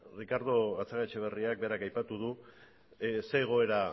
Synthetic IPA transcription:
rikaɾðo̞ɣat͡saɣat͡ʃeβ̞e̞riak̚be̞ɾakajpat̪uð̞u | se̞ːɣ̞o̞e̞ɾa

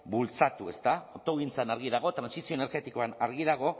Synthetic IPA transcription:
bult͡sat̪ue̞st̪aot̪o̞ɣint͡sanaɾɣiðaɣ̞o̞t̪ɾansisioene̞ɾɣe̞t̪ikoanaɾɣiðaɣo̞

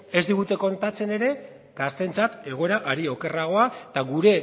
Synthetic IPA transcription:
e̞zd̪iɣ̞ut̪e̞ko̞nt̪at͡se̞ne̞ɾe̞ | ɡ̥ast̪e̞nt͡sat̪e̞ɣ̞o̞e̞ɾaʔaɾio̞ke̞raɣ̞o̞at̪aɣuɾe̞

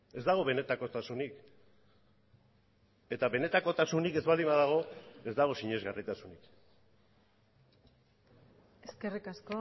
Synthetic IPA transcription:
e̞zd̪aɣ̞o̞βe̞ne̞t̪ako̞t̪asunik | e̞t̪aβe̞ne̞t̪ako̞t̪asunike̞zβald̪imaðaɣ̞o̞e̞zd̪aɣ̞o̞siɲe̞zɣarit̪asunik | eske̞rikasko

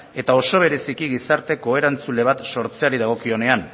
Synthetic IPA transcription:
e̞t̪ao̞so̞β̞e̞ɾe̞sikiɣisaɾt̪e̞ko̞e̞ɾant͡sule̞β̞at̪so̞ɾt͡se̞aɾiðaɣ̞o̞kio̞ne̞an

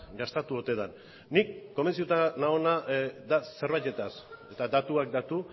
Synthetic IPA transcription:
ɡast̪at̪uo̞t̪e̞ðanː | ikːo̞mensit̪ut̪anaonad̪ase̞ɾβajt̪e̞t̪ase̞t̪ad̪at̪uak̚d̪at̪u

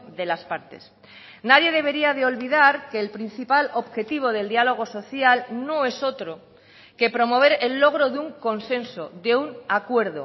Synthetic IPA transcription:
ðe̞laspaɾt̪e̞̰s | naðje̞ðe̞β̞e̞ɾiaðeo̞lβiðaɾkeːlpɾin̟θipaloβxe̞t̪iβ̞o̞ðe̞ld̪ialo̞ɣ̞o̞so̞θjalnõe̞so̞t̪ɾo | ke̞pɾo̞mo̞β̞e̞ɾelːo̞ɣ̞ɾoðuŋko̞nsẽ̞nsoðeunakwe̞ɾðo̰

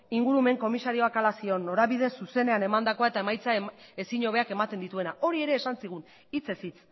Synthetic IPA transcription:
iŋɡuɾume̞ŋko̞misaɾio̞akalasio̞nːo̞ɾaβið̞e̞suse̞ne̞ane̞mand̪ako̞aet̪ae̞majt͡sae̞siɲo̞βeake̞mat̪e̞nd̪it̪ue̞naʔo̞ɾie̞ɾe̞ːsansiɣ̞un | it͡se̞sit͡s

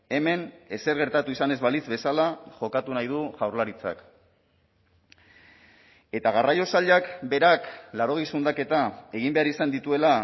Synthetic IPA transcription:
e̞me̞ne̞se̞ɾɣe̞ɾt̪at̪uisane̞zβalizβe̞salaʝo̞kat̪unajð̞uʝawɾlaɾit͡sa̰k | e̞t̪aɣ̞arajo̞saʎakbe̞ɾaklaɾo̞ɣ̞isund̪ake̞t̪ae̞ɣ̞imbe̞aɾisand̪it̪ue̞la

